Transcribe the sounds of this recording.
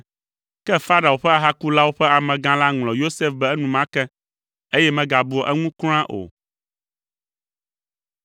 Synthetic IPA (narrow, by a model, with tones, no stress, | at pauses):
kɛ˦fa˦ɾa˨wo˨ɸɛ˦a˨ɦa˦ku˦la˦wo˦ɸɛ˦a˨mɛ̃˨ɡã˦la˦ŋlɔ̃˨jo˦se˦fbɛ˦ɛ˦nũ˨mã˦kɛ˦ | e˦jɛ˦mɛ̃˨ɡa˨bu˨ɔ˨ʔɛ˦ŋũ˦kl̃ã˦ʔo̰˨